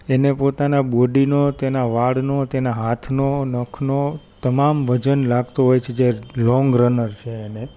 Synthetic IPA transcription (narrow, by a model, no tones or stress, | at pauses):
enepot̪anaboɖinot̪enaʋaɽnot̪enaɦat̪ʰnonəkʰnot̪əmamʋəd͡ʒənlaɡt̪oɦojt͡ʃʰed͡ʒelɔ̃ŋɡɾənəɾt͡ʃʰeːne